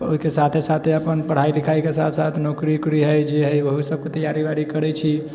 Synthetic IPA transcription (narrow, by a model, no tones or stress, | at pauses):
o̰ikesat̪ʰesat̪ʰeəpənpəɽ̤ailikʰaikesat̪ʰsat̪ʰnokɾikɾiɦəjd͡ʒeɦəjʋəɦusəb̚ket̪əjːaɾibaɽikəɾɛt͡ʃʰi